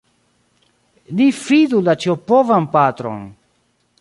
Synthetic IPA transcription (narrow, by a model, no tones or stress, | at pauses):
lifidulat͡ʃiopovanpat̪ɾo̰n